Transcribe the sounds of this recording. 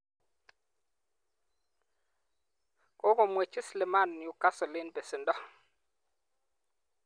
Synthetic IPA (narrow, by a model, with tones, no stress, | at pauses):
kɔ˦ko˨mwe˨t͡ʃi˦slɪ˨ma˦˨n˨ju˨ka˦sɔ˨lɪ˦n˦be˨sɪ˨ndɔ˦